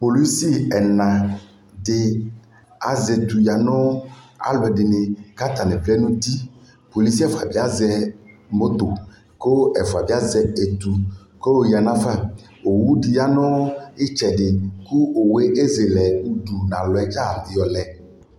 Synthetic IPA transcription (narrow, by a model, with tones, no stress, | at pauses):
po˨li˦si˦ɛ˨nã˨ | dɪ˨ | a̰˨zɛ˨t̪u˨ja˨nɔ̃˦a̰˨lɔ˨ɛ˨ɖɪ˨nɪ˨ka˦t̪a˨nɛ̃˨vlɛ˦nũ˦t̪i˦ | po˨li˦si˦a˦fa˨bi˦a˦zɛ˦mo˦t̪o˨ | ko˦ɛ˨fa˨bi˦a˦zɛ˦e˨t̪u˨ | ko˦˨ja˨nã˦fa˦ | o˨wu˦ɖi˨ja˨nɔ̃˦ɪ˦t͡ʃɛ˨ɖɪ˨ku˦o˨we˦ʔe˦ze˨lɛ˨nu˦ɖu˨nã˨lɔ˨ɛ˨d͡ʒa˦˨vi˨jɔ˨lɛ˨